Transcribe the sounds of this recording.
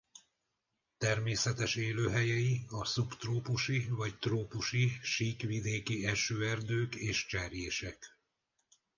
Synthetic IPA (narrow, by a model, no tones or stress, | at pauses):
t̪ɛrmeːsɛt̪ɛʃeːløːɦɛjɛjiɒsupt̪roːpuʃivɒct̪roːpuʃiʃiːkʋid̪eːkiɛʃøːɛrd̪øːkeːʃt͡ʃɛːrjeːʃɛk